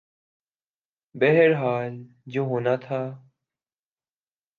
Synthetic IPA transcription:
beɦeɾɦaːl | d͡ʒoːɦoːnaːt̪ʰaː

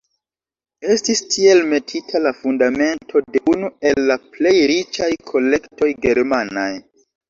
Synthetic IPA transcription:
e̞stistʰie̞lme̞tʰitʰalafundame̞ntʰo̞de̞unue̞lːaple̞jɾit͡ʃajkʰo̞le̞kto̞jɡe̞ɾmanaj

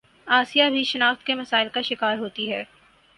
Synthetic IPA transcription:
aːsijabʱiʃɐnaːxt̪kemɐsaːɪlkaʃɪkaːɾɦoːt̪iɦɛː

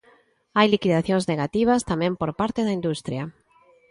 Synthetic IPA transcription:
ajlikiðaθjõŋzneɣat̪iβ̞ɐst̪amɛ̃mpoɾpaɾt̪eðɐind̪ust̪ɾjɐ

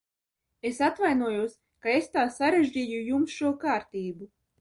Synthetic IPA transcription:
esat̪vajnuɔjuɔs | kaest̪aːsaɾeʒd͡ʑiːjujumsʃuɔkaːɾt̪iːbu

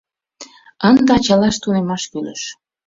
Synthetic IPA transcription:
ənd̪ɑt͡ɕɑlɑʃt̪unemɑʃkylə̰ʃ

